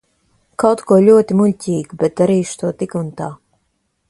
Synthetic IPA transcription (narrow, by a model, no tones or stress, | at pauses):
kawt̪kuɔlʲuɔt̪imuʎʲcʲiːɡubɛt̪̚d̪aɾiːʃt̪uɔt̪ikunt̪aː